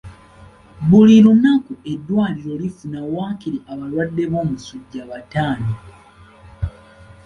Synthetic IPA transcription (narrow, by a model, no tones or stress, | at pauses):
βulilunakue̞dːwaːliɾo̞lifunawaːkiɾiʔaβalwadːe̞βo̞ːmusuɟːaβataːni